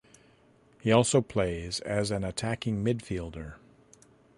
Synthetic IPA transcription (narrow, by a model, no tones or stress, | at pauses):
hiɔlˠsoʊpʰl̥eɪzɨzɨ̃nɨtʰækɪ̃ŋmɪdfilˠdə˞